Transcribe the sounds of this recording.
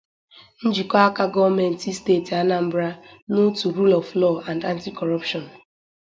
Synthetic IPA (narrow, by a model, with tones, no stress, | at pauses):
n̩˦d͡ʒi˨kɔ˦a˦ka˦ɡɔ˦me˨n̩˨ti˦steː˦˨ti˨a˦na˨m̩˦bɾa˦nu˦tu˨ɾu˦lɔ˨vlɔ˦˨a˨nda˦n̩˦ti˦kɔ˨ɾɔ˦pʃɔ˨n